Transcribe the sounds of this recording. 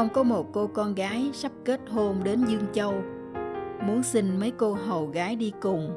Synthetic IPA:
ə˧wŋ͡mkɔ˨˦mo˨˩t̚ko˧kɔ˧nɣaː˨˦jsa˦˥p̚ke˦˥t̚ho˧mɗe˨˦nzɨ˧əŋt͡ɕə˧w | mu˨˦ənsï˧ŋ̟mə˨˦jko˧ɦə˨˩wɣaː˨˦jɗi˧kʊ˨˩ŋ͡m

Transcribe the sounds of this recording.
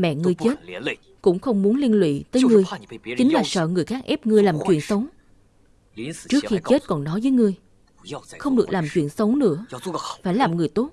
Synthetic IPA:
mɛ̰˧˨ŋɨ˧˩əjt͡ɕe˦˥t̚ | kʊ̰˧˥ŋ͡mxə˧wŋ͡mmu˨˦ənli˧nlwḭ˧˨t̪əː˨˦jŋɨ˨˩əjt͡ɕï˨˦ŋ̟laː˨˩sə̰ː˧˨ŋɨ˨˩əjxaː˦˥k̚ʔɛ˦˥p̚ŋɨ˧əjlaː˨˩mt͡ɕwḭ˧˨ənsə˨˦wŋ͡m | t͡ɕɨ˦˥ək̚xi˧t͡ɕe˦˥t̚kɔ˨˩nnɔ˨˦jvəː˨˦jŋɨ˧əj | xə˧wŋ͡mɗɨ˨˩ək̚laː˨˩mt͡ɕwḭ˧˨ənsə˨˦wŋ͡mnɨ̰˧˥ə˦˥faː˧˩jlaː˨˩mŋɨ˨˩əjt̪o˦˥t̚

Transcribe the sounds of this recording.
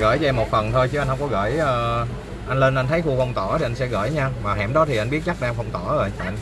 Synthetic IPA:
ɣə̰ː˧˩jzɛː˧mo˨˩t̚fə˨˩nt̪ʰo˧jt͡ɕɨ˨˦a˧n̟hə˧ŋ͡mkɔ˨˦ɣə̰ː˧˩jʔəː˧ | ʔa˧jŋ̟le˧nʔa˧nt̪ʰə˨˦jxu˧xə˧wŋ͡mt̪ɔ˧˩t̪ʰi˨˩ʔa˧ŋ̟sɛ̰˧˥ɣə̰ː˧˩jɲaː˧maː˨˩ɦɛ̰˧˩mɗɔ˨˦t̪ʰi˨˩ʔa˧n̟ɓi˦˥ət̚t͡ɕa˦˥k̚ɗaː˧ŋxə˧wŋ͡mt̪ɔ˧˩əː˧˩jva˨˧

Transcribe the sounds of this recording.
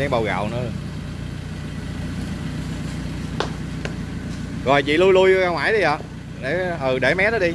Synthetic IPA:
ɛ˧ŋɓa˨˩wɣa̰ː˧˨wnɨ̰˧˦ | ɣɔ˨˩jt͡ɕḭ˧˨lu˧jlu˧jɣaː˧ŋwaː˧˩˦jɗi˨˧jʔa˨˦ | ɗe˧˩ɦə˨˩ɗe˧˩mɛ˨˦˥ɗəː˨˦˥ɗi˧

